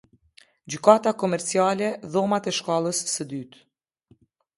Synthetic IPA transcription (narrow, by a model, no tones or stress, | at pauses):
d͡ʑykat̪akɔmɛɾt͡sialɛðɔmat̪ɛʃkalˠəsːəd̪yt̪